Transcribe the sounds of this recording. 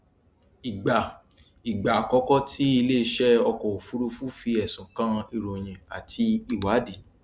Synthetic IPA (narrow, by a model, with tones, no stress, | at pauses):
i˨ɡ͡ba˨ | i˨ɡ͡ba˨kɔ˧˦kɔ˦tʰi˦i˧le˦i˧ʃɛ˦ɔ˧kɔ̃˨o˨fu˨˦ɾu˧fu˦fi˧ɛ˨sɔ̃˨kã˦˧i˧ɾo˨j̃ɛ̃˧˨a˨tʰi˧i˦˨wa˨˦de˨˦